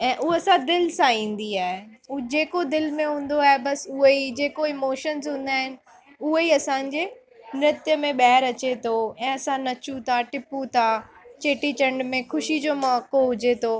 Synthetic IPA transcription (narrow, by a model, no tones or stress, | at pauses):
ɛ̃ːʔʊɐsãd̪ɪlsãĩːn̆d̪iaːɦe | d͡ʑeːkod̪ɪlmẽɦũːn̆d̪oaːɦebɐsʊɦeid͡ʑeːkoɪmoːʃənzɦũːn̆d̪aːɦɪnɪ̆ | ʊɦeiɐsãɲd͡ʑeː | nɪt̪jəmẽɓɐɦɪɾɐt͡ɕet̪ʰoɛ̃ːɐsãnɐt͡ɕũt̪ʰaʈɪput̪ʰat͡ɕeːʈit͡ɕɐ̃ɳɖmẽxʊʃid͡ʑoːmaːkoɦʊd͡ʑet̪ʰoː